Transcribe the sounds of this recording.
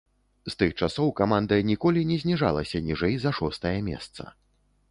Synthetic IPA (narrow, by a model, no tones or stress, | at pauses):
st̪ɨxt͡ʂasɔwkamand̪ɐjɐnʲikɔlʲinʲɛzʲnʲiʐa̰lˠɐsʲɐnʲiʐɛjzɐʂɔst̪ɐjɐmʲɛ̰st̪sɐ̰